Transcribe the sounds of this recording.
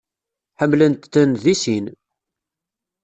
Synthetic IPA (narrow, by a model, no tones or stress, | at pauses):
ħəmːlənt̪θənðisin